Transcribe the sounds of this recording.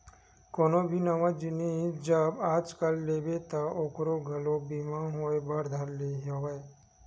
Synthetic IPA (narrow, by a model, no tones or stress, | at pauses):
koːnobʱinɐʋãd͡ʒɪned͡ʒəbaːd͡ʒkəlːeːbet̪aʔoːkɾoɡʱɐlobimãɦoebɐɾd̪ʱəɾleɦowe